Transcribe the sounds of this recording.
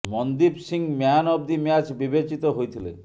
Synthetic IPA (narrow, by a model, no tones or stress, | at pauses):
mɔnd̪ibsiŋmjanɔb̚d̪imjat͡ʃbibet͡ʃit̪ɔɦojt̪ʰilḛ